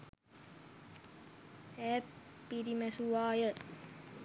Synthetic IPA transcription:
ɛː | piɾimɛsuʋaːjə

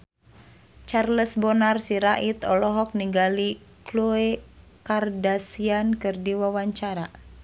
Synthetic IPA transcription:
t͡ʃarləsbɔnarsiɾaʔit̪ɔlɔɦɔk̚niŋɡali | kluekardasiankɨrdiwawaɲt͡ʃaɾa

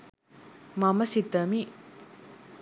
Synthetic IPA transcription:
maməɕit̪əmiʔ

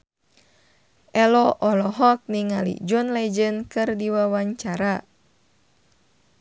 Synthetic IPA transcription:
ʔɛlɔʔɔlɔɦɔk̚niŋalḭd͡ʒɔnlɛd͡ʒənkɨrdiwawaɲt͡ʃaɾa

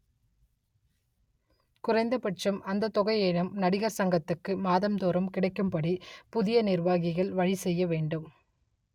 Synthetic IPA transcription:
kʊrɐɪnd̪ɐpɐʈ̚t͡ʃɐmʔɐnd̪ɐt̪ːɔɣɐɪeːɻɐmnɐɽɪɣɐɾsɐŋɡɐt̪ːɯkːɯmaːðɐmt̪oːɾɐmkɪɽɐɪkːɯmpɐɽipʊðɪjɐnɪrʋaːɣɪɣɐɭʋɐɻisɛjːɐʋeːɳɖɯm

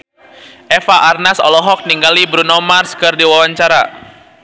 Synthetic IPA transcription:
ʔɛfaʔarnasɔ̰lɔɦɔk̚niŋɡalibɾunɔmarskɨrdiwawaɲt͡ʃaɾa

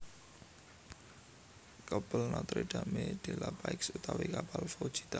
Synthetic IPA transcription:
kəb̥əlnɔt̪ɾiɖ̥a̤med̪̥e̤lapaɪksut̪awikapalfod̥ʒ̥i̥t̪a

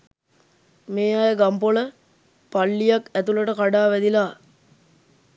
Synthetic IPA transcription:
meːaːjəɡampolə | palːijakæt̪uləʈəkaɖaːʋɛd̪ilaː

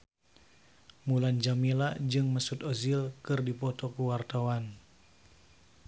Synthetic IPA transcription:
muland͡ʒamilad͡ʒɨŋməsut̪ɔzilkɨrdipɔt̪ɔkuwart̪awan

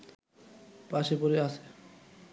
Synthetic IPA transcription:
paʃepoɾeasʰe̥

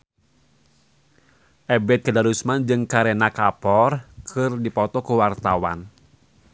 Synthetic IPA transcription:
ʔɛbɛt̪̚kədaɾusmand͡ʒɨŋkaɾɛnakapɔrkʰɨrdipɔt̪ɔkuwart̪awa̰n

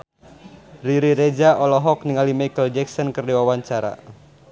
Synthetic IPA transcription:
riɾiɾed͡ʒaʔɔlɔɦɔk̚niŋalimajkəld͡ʒɛksɔnkɨrdiwawaɲt͡ʃaɾa̰

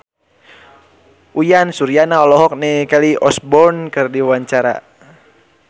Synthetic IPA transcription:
ujansuɾianaɔlɔɦɔk̚nɛkaliʔɔsbɔrnkɨrdiwaɲt͡ʃaɾa̰

